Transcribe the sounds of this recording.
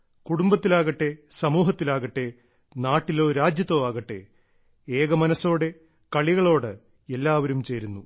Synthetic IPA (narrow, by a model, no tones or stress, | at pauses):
kuɽumbɐt̪ːilaːɣɐʈːe̞sɐmuːɦɐt̪ːilaːɣɐʈːe̞ | naːʈːilo̞ːɾaːd͡ʑjɐt̪ːoʋaːɣɐʈːe̞ | eːɣɐmɐnɐsːo̞ːɽe̞ | kɐɭiɣɐɭo̞ːɽɨ | elːaːʋɐɾumt͡ɕe̞ːɾunːu